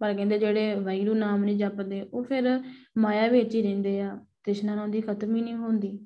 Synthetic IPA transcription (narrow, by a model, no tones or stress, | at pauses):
pəɾkɛ̃ːnd̪eːd͡ʒeːɽeːʋaːiːɾuːnaːmnĩːd͡ʒəpd̪eːʔoːpʰɪɾmaːjaːʋeːt͡ʃiːɾɛ̃ːnd̪eːaːt̪ɪʃnãːnõːnd̪iːkʰət̪miːnĩːɦõːnd̪iː